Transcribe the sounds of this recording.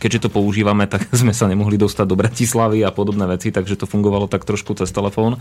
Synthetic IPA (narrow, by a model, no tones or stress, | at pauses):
kɛɟʒɛt̪ɔpɔuʒiːʋamɛt̪aɡzmɛsaɲɛmɔɦlid̪ɔst̪aɟ̚d̪ɔbɾacislaʋiapɔd̪ɔbnɛːʋɛt͡sit̪aɡʒɛt̪ɔfuŋɡɔʋalɔt̪akt̪ɾɔʃkut͡sɛst̪ɛlɛfɔːn